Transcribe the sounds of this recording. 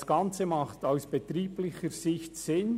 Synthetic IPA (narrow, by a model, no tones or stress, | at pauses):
sɡ̥ɑnt͡səmɑχtaʊsb̥ɛtɾiːplɪçəɾzɪçtsɪn